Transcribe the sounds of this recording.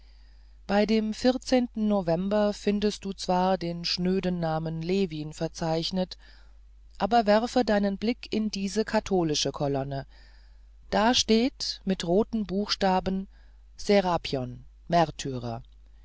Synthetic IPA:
b̥aɪdeːmfɪʁt͡seːntn̩novɛmbɐfɪndəst̚d̥uːt͡sv̥aːɐdeːnʃnøːdənnaːmənleːviːnfɛɐt͡saɪçnət | ʔaːbɐvɛʁfədaɪnənblɪkʰɪndiːzəkʰatʰoːlɪʃəkʰɔlɔnə | d̥aːʃteːtmɪtʁoːtn̩buːxʃtaːbən̩ | z̥eʁapʰjɔn | mɛʁtʰyːʁɐ̰

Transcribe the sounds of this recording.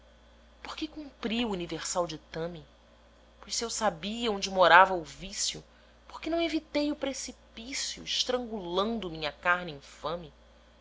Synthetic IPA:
poɾkɪkũmpɾiuːniveɾsawd͡ʒɪt̪ɐ̃mɪ | pojsiewsabiɐõnd͡ʒɪmoɾavɐʊvisjʊ | po̥χkɪnɐ̃w̃evit̪ejʊpɾesipisjʊ̰iʃt̪ɾɐ̃ŋɡulɐ̃nd̪ʊmĩɲɐkaɾnɪĩfɐ̃mɪ

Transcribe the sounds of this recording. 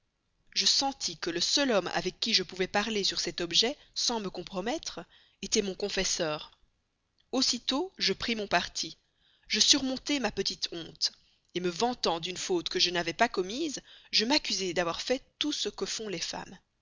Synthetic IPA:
ʒəsɑ̃t̪ʰikələsœlɔma̰vɛkʲːiʒəpuvɛpaʁlesyʁsɛt̪ɔbʒɛsɑ̃məkɔ̃pχɔmɛt̪χ | et̪ɛmɔ̃kɔ̃fɛsœːʁ | osit̪oʒəpχimɔ̃paʁt̪ʰi | ʒəsyʁmɔ̃t̪emapət̪it̪ʰɔ̃t̪ | eməvɑ̃t̪ɑ̃d̪ynfot̪kəʒənavɛpakɔmiːzʒəmakʲyzed̪avwaʁfɛt̪usəkəfɔ̃lefa̰m

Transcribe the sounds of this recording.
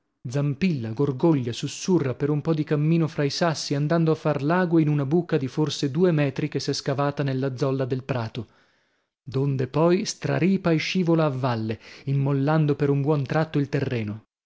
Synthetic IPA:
d̪zampilːaɡorɡoʎːasusːurːapeɾumpɔd̪ikamːiːnofɾaisasːiand̪and̪oafːarlaːɡweinunabuːkad̪iforsed̪uːemɛːt̪ɾikesɛskavaːt̪anelːad̪zɔlːad̪elpɾaːt̪o | d̪ond̪epɔjst̪ɾa̰ɾiːpaiʃiːvolaːvːalːeimːolːand̪opeɾumbwɔnt̪ɾat̪ːoilt̪erːɛːno

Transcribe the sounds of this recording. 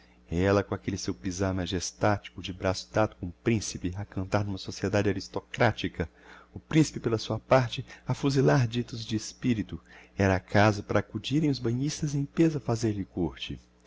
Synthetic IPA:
ɛlɐkõakelɪsewpizaɾmaʒest̪at͡ʃi̥kʊd͡ʒɪbɾasʊ̥t̪at̪ʊ̥kõʊpɾĩsipɪakɐ̃nt̪aɾnũmɐsosied̪ad͡ʒɪaɾist̪okɾat͡ʃikɐʊpɾĩsi̥pɪpelɐsuɐpaɾt͡ʃɪafuzilaɾd͡ʒit̪ʊzd͡ʒɪespiɾit̪ʊɛɾɐːkʰazɐpaɾɐakud͡ʒiɾẽj̃ʊzbɐ̃ɲist̪ɐzẽj̃pezɐfazeɾʎɪkoɾt͡ʃɪ

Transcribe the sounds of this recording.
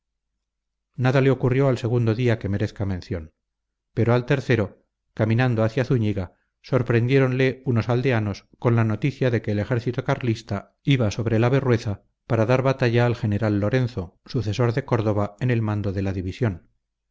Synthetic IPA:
naðale̞o̞kurjo̞alse̞ɣ̞und̪o̞ðiake̞me̞ɾe̞θkamẽ̞nθjo̞n | pe̞ɾo̞alt̪e̞ɾθe̞ɾo̞ | kamĩnand̪o̞aθjaθuɲiɣa | so̞ɾpɾe̞nd̪je̞ɾo̞nle̞uno̞sald̪e̞ano̞sko̞nlano̞t̪iθjaðe̞keːle̞xe̞ɾθit̪okaɾlist̪a | iβaso̞βɾelaβe̞rwe̞θa | paɾaðaɾβat̪aʝaːlxe̞ne̞ɾalːo̞ɾe̞nθo̞suθe̞so̞ɾðe̞ko̞ɾðoβaene̞lmãnd̪o̞ðe̞laðiβisjo̞n

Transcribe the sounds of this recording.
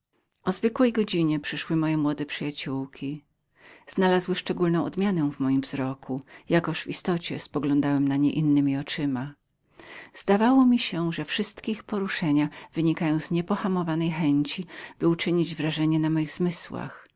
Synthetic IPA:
ɔzvɘkwɛjɡɔd͡ʑiɲɛpʂɘʂwɘmɔjɛmwɔd̪ɛpʂɘjat͡ɕuwkʲʰi | z̥nalazwɘʂt͡ʂɛɡulnɔ̃w̃ʔɔ̰d̪mʲjanɛw̃vmɔjimvzɾɔkʰujakɔʂvist̪ɔt͡ɕɛ̰spɔɡlɔnd̪awɛmnaɲɛʔinːɘmʲiɔt͡ʂɘma | z̥d̪avawɔmʲiɕɛʐɛfʂɘst̪kʲɛixpɔɾuʂɛɲav̥ɘɲikajɔ̃w̃zɲɛpɔxamɔvanɛjxɛɲt͡ɕib̥ɘut͡ʂɘɲid͡ʑvɾaʐɛɲɛnamɔjiɣzmɘswa̰x

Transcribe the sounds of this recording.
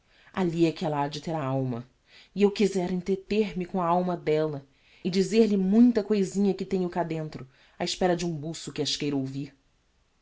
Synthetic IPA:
a̰liɛkɪɛlɐad͡ʒɪt̪eɾɐawmɐ | ɪewkizɛɾʊẽt̪et̪eɾmɪkõɐawmɐd̪ɛlɐ | ɪd͡ʒizeɾlɪmũj̃t̪ɐkojzĩɲɐkɪt̪ẽɲʊkad̪ẽnt̪ɾʊ | aɪʃpɛɾɐd͡ʒɪũbusʊkɪɐʃkejɾowvih

